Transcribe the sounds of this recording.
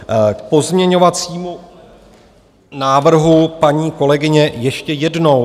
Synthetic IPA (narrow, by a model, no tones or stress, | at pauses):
k̚po̞zmɲɛɲo̞vat͡siːmu | naːvr̩ɦupaɲiːko̞lɛɡɪɲɛjɛʃcɛjɛdno̞w